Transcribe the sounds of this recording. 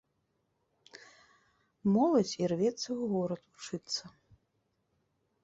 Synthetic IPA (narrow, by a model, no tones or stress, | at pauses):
mɔlˠɐd͡zʲirvʲɛt̪sːɐuɣɔɾɐt̪ut͡ʂɨt̪sːɐ